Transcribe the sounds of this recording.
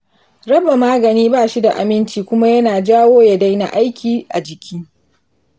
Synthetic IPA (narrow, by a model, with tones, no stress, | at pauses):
ɾɐ˦ba˨maː˦ɡɐ˨niː˦baː˦˨ʃi˦da˨ʔa̰˨mɪ˦nt͡ʃiː˨kʷʊ˦ma˦jɐ˦naː˨d͡ʒaː˦woː˦ja˨da˦jna̰˨ʔa˦jkʲiː˨ʔa˨d͡ʒɪ˨kʲʰiː˦